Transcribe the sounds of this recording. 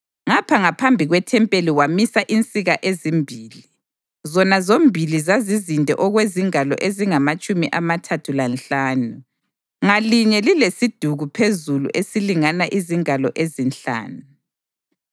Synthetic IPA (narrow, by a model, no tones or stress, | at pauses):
ŋapʰaŋapʰambʱiɣwɛtʰɛmpʼeliwamisaʔint͡sʼiɣaʔezimbʱiːli | zɔnazombʱilizazizindʱɛ̰ʔɔɣweziŋalɔ̰ʔeziŋamat͡ʃʼumiʔamatʰatʰulanɬaːnu | ŋaliɲɛlilesid̥ʱuɣupʰezulṵʔesiliŋanaʔiziŋalɔ̰ʔezinɬa̰ːnu